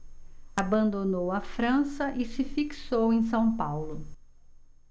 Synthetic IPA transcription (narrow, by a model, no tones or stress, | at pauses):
abɐ̃nd̪onowɐfɾɐ̃sɐʔɪsɪfiksowẽj̃s̬ɐ̃w̃pawlʊ